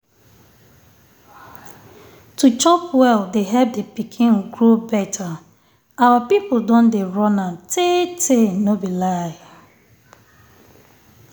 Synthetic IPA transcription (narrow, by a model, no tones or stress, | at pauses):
tut͡ʃɔpwɛldeɦɛp̚depikʰĩnɡɹobɛtʰa | awapipodõndeɹɔ̃natʰetʰenobilaj